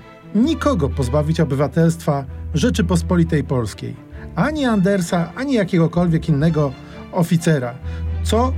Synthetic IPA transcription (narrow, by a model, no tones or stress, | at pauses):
ɲikɔɡɔpɔzbavʲit͡ɕɔbɘvat̪ɛlst̪faʐɛt͡ʂɘpɔspɔlʲit̪ɛjpɔlskʲḛj | aɲiand̪ɛɾsaʔaɲijakʲɛɡɔkɔlvʲjɛkinːɛɡɔ | ɔfʲit̪sɛɾat̪sɔ